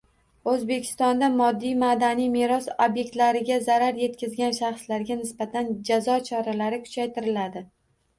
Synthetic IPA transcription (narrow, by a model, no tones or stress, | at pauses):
ɵzbe̞kʲʰɪ̥st̪ɒnd̪amɒd̪ːijmad̪anijmeɾɒsobje̞k̚ʲt̪laɾɪɡʲazaɾaɾje̞t̪kʲʰɪzɡʲanʃaχslaɾɡʲanɪsbat̪ʰand͡ʒazɒt͡ʃʰɒɾalaɾɪkʰʊ̥t͡ʃʰajt̪ɪɾɪlad̪ɪ